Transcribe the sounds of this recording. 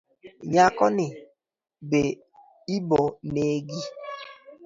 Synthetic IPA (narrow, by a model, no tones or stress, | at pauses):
ɲakɔnɪ | be | ibɔneɡi